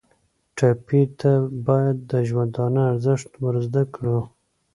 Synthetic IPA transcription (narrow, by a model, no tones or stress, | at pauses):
ʈɑpit̪ʰabɑjad̪ːəʒwand̪ɑnəaɾzɪʂt̪wəɾzd̪akɽu